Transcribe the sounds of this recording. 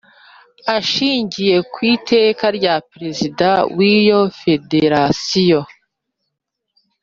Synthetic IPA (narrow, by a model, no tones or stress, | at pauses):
aʃiːɲɟije̞kwiːtʰe̞ːkaɾɟapɾe̞zidawijo̞fe̞de̞ɾasijo̞